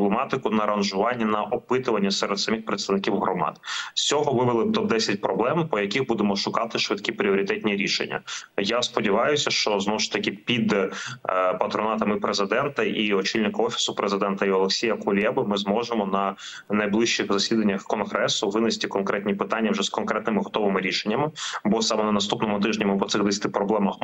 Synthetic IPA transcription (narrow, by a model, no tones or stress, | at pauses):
blˠemɑt̪ɪkʊnɐɾɐnʒʊʋɑnʲːɐnɐʔɔpɪt̪ʊʋɐnʲːɐsɛɾɛd̪sɐmʲixpɾet̪st̪ɐʋnɪkʲiwɦɾɔmɑ̰d̪sʲt͡sʲɔɦɔʋɪʋelˠɪt̪ɔb̚d̪ɛsʲɐt̚ʲpɾɔblˠɛmpɔjɐkʲiɣbud̪emɔʃʊkɑt̪ɪʃʋɪt̪kʲipɾʲiɔɾʲɪt̪ɛt̪̚ʲnʲiɾʲiʃḛnʲːɐ̰jaspɔdʲiʋɑjʊsʲɐʃt͡ʃɔznɔʊʃt̪ɐkʲɪpʲid̪ | pɐt̪ɾɔnɑt̪ɐmɪpɾezɪd̪ɛnt̪ɐʔiɔt͡ʃilʲnɪkɐɔfʲi̥sʊpɾezɪd̪ɛnt̪ɐiɔlˠeksʲijɐkʊlʲɛbɪmɪzmɔʒemɔnɐ | nɐjblˠɪʃt͡ʃixzɐsʲid̪ɐnʲːɐxkɔnɦɾɛsʊʋɪnɪsʲt̪ɪkɔnkɾɛt̪ʲnʲipɪt̪ɑnʲːɐwʒɛskɔnkɾɛt̪nɪmɪɦɔt̪ɔʋɪmɪɾʲiʃenʲːɐmɪbɔsɑmɛnɐnɐst̪upnɔmʊt̪ɪʒnʲɐmɪpɔt̪sɪɣd̪esʲɐ̥t̪ɪpɾɔblˠɛmɐx